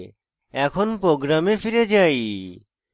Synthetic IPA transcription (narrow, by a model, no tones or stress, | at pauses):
ɛkʰonpɾoɡɾamefiɾed͡ʑaj